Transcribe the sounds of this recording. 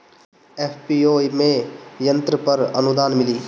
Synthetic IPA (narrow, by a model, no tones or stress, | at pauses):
eːpʰpioːimẽjə̃nt̪ɾəpəɾənʊd̪aːnmɪliː